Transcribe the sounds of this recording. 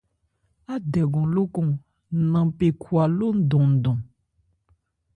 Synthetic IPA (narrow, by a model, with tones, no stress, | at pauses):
a˦dɛ˨ɡɔ̃˨lo˦kɔ̃˨˦ | nã˨pe˨kʰwa˨lo˦n̩˦dɔ̃˨n̩˨dɔ̃˨